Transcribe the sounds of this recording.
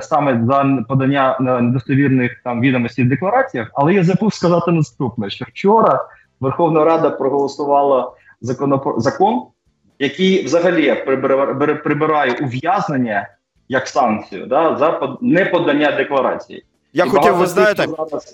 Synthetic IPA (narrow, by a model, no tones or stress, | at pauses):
sɑmɛzɐpɔd̪ɐnʲːaned̪ɔst̪ɔʋʲirnɪxt̪ɑmʋʲid̪ɔmɔsʲtʲid̪eklˠɐɾɑt͡sʲijɐxɐlˠɛjɐzɐpuwskɐzɑt̪ɪnɐst̪upnɛʃt͡ʃɔwt͡ʃɔɾɐ | ʋerxɔwnɐɾɑd̪ɐpɾɔɦɔlˠɔsʊʋɑlˠɐ | zɐkɔnɔpzɐkɔn | jɐkɪjʋzɐɦɐlʲijpɾɪbbɾpɾɪbɪɾɑjɛʔʊʋjaznenʲːɐ | jɐksɑnt͡sʲijʊ̰d̪ɑzɐpɔnɛpɔd̪ɐnʲːad̪eklˠɐɾɑ̰t͡sʲḭjḭ | jaiizjt̪zɑlˠɐ